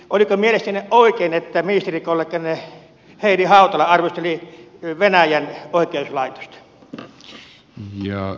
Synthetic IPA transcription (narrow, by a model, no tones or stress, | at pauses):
ʔolikomielest̪æneʔʔoˑikeˑinet̪ːæminist̪erikolːekːɑne | heˑinihɑˑut̪ɑlɑɑrʋost̪eliʋenæjænoˑikˑeuslɑˑit̪o̥st̪ɑ̥ | jɑ